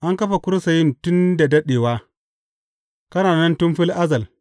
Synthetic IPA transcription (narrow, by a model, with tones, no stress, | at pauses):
ʔa˦ŋkɐ˦ɸa˨kʷʊ˦ɾsa˨jɪ˦ntʊ˦nda˨dɐ˦ɗeː˨waː˦ | kɐ˦naː˨nɐ˦ntʊ˦mɸɪ˦lʔa˦zɐ˨l